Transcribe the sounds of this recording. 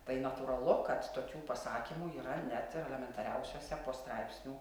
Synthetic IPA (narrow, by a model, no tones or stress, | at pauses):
t̪ɐɪnɐt̪uːɾɐlˠʊkɐt̪t̪oːkʲuːpɐsɑːkʲimuːiːɾɐnʲæt̪ɪɾɛlʲɛmʲɛnt̪ɐɾʲɛʊsʲoːsʲɛpoːst̪ɾɑɪpʲsʲnʲuː